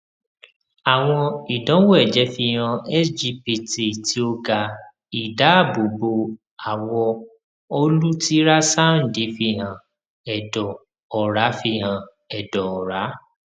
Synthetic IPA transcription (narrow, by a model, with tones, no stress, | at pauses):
a˨w̃ɔ̃˧i˨dɔ̃˨˦wo˦ɛ˦˨d͡ʒɛ˨˦fi˧ɦã˧ɛ˦sd͡ʒi˧˦pi˨ti˨ti˨˦o˧ɡa˧ | i˨da˨˦a˦˨bo˨bo˧ | a˨wɔ˧ | o˧lu˦ti˦ɾa˦sa˦˨n̩˨di˨˦fi˧ɦã˨ | ɛ˨dɔ˨ | ɔ˨ɾa˨˦fi˧ɦã˧ | ɛ˨dɔ˨ɔ˨ɾa˨˦